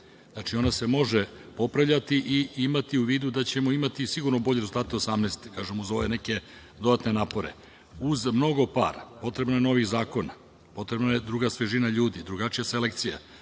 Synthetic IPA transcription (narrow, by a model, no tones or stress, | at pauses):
znat͡ʃio̞nase̞mo̞ʒepo̞pɾavʎat̪iʔiimat̪iuʋiːd̪ud̪at͡ɕe̞mo̞imat̪isiɡuɾnobo̞ʎeɾezulˠt̪aːt̪eosamnest̪e̥kaːʒemuzo̞ʋe̞ne̞ke̞ | d̪o̞d̪at̪ne̞naːpo̞ɾḛ | uzmno̞ɡo̞pa̰ːɾapo̞t̪ɾe̞bnoje̞no̞ʋiɣzaːko̞na | po̞t̪ɾe̞bnajed̪ɾuɡasʋeʒinaʎuːd̪id̪ɾuɡat͡ʃijase̞lek̚t̪sija̰